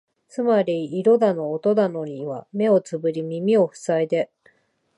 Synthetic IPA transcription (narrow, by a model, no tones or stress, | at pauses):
t͡sɨmaɾʲiːɾo̞d̪ano̞ːt̪o̞d̪ano̞ɲ̟iβame̞o̞t͡sɨbɯ̟ɾʲimʲimʲio̞ɸɯ̟̥said̪e̞